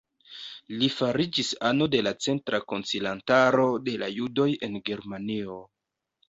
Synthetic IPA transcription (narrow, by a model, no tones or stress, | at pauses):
lifaɾid͡ʒisano̞de̞lat͡se̞ntɾʔako̞nt͡silantaɾo̞de̞lajudo̞je̞nɡe̞ɾmanio̞